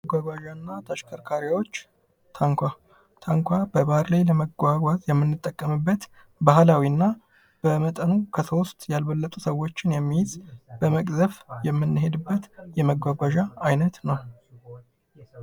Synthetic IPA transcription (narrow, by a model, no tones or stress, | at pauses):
məɡʷaɡʷaʒanːat̪ʰaʃkʰəɾkʰaɾjawo̞t͡ʃː | t̪ʰaŋkʷa | t̪ʰaŋkʷʰabəbahɾlajləməɡʷaɡʷazjɛmːɨnːɨt̪ʼːəkʼːəmɨbːət̪ | bahlawinːa | b̥əmət̪ʼənukʰəso̞st̪ʼjalβəlːət̪ʼusəwːo̞t͡ʃːɪnjɛmːijɪzb̥əməkʼzəfjɛmːɨnːɨɦe̞d̪ɨbːət̪jɛməɡʷaɡʷaʒaːjnət̪nəw